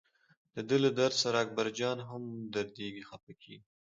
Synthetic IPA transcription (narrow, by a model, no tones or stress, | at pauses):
d̪̥əd̪əlad̪aɾsaɾɑːk̚baɾd͡ʒɑnɦamd̪aɾd̪eɡixapakʰi